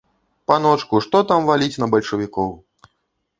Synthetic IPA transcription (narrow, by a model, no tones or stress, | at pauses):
panɔt͡ʂkuʂt̪ɔt̪amvalʲit͡sʲnɐbɐlʲʂɐvʲikɔw